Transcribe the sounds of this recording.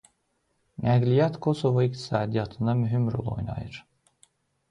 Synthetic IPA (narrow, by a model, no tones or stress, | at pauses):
næɡlʲijɑt̪kʰo̞so̞voikt̪ʰi̥sɑːd̪ijɑt̪ʰɯnd̪ɑmyɦymɾo̰lˠo̞̰jnɑ̰jɯ̰ɾ̥